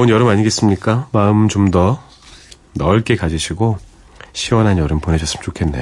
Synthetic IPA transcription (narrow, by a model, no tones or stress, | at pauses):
ɯnjʌɾɯmaɲiɡe̞s͈ɯmɲik͈amaɯmt͡ɕomdʌ | nʌɭk͈e̞kad͡ʑiɕʰiɡo | ɕʰiwʌnɦanjʌɾɯmpone̞ɕʰʌs͈ɯmɯt͡ɕokʰe̞nːḛ